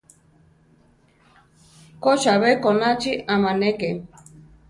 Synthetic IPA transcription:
kot͡ʃaβekonat͡ʃiamãneke

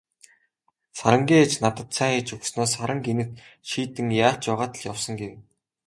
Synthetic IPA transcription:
saɾə̆ŋɡʲiːet͡ɕnat̪ə̆t̪t͡sʰæːet͡ɕɵksnɔːsːaɾə̆ŋɡenɘ̆t̪ʃiːt̪ɘ̆ŋjaːt͡ɕjʊʁaːt̪ə̆ɮjawsɞ̆ŋɡew

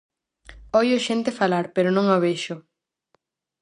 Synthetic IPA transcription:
ojoʃent̪efalaɾpeɾonõŋoβeʃʊ

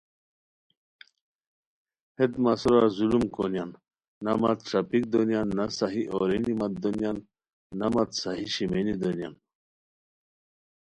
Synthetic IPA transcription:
hed̪mɐsuɾazulumkonjanː | ɐmat̪̚ʈ͡ʂɾapik̚d̪onjanːɐsaɦiʔoɾinimɐt̪̚d̪onjanː | ɐmɐt̪sɐɦiɕimenid̪onja̰n

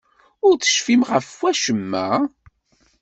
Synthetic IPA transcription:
ʊɾθə̥ʃfimʁəfwæʃəmːæ̰

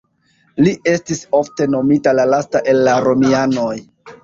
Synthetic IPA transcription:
lie̞stiso̞fte̞no̞mitalalastaʔe̞lːaɾo̞miano̞j

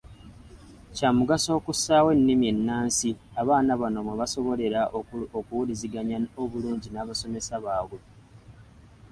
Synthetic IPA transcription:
caːmuɡaso̞ːkusaːwe̞nːimie̞nːaːnsiaβaːnaβano̞mweβaso̞βo̞le̞ɾaokuwuliziɡaɲaoβuluːɲɟinaːβaso̞me̞saβaːwwe

